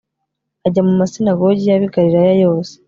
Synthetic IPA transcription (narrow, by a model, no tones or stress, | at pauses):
aɟamumasinaɡo̞ɟijaβiɡaɾiɾajajo̞ːse̥